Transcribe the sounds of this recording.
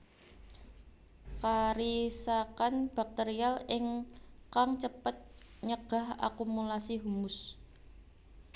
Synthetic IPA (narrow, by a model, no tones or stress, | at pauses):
kaɾisakanb̥ak̚t̪eɾialɪŋkaŋt͡ʃəpət̪̚ | ɲəɡ̥a̤ha̰kumulasiɦumʊs